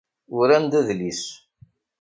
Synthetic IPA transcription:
ʊɾænd̪æðlis

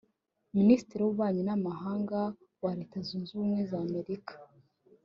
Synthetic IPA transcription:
minisi̥tiɾiwuβaːɲinamaɦaːŋɡa | waɾe̞ːtazuːnzuːmwe̞zaːme̞ɾikḁ

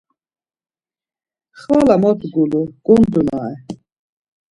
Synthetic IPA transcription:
χvalamɔt̪ɡuluɡ̥und̪unaɛ

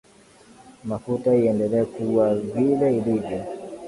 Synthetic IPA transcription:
mafutaiɛndɛlɛːkuwavilɛilivjɔ

